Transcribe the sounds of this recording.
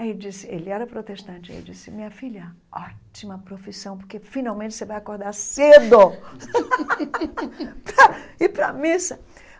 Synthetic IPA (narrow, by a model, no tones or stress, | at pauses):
aid͡ʒisɪelɪɛɾɐpɾot̪eʃt̪ɐ̃nt͡ʃɪa̰ḭld͡ʒisɪmĩɲɐfilɐ | ɔt͡ʃimɐpɾofisɐ̃w̃poɾkefĩnawmẽnt͡ʃɪsevajakoɾd̪aɾsed̪o | pɾɐɪpɾɐmisɐ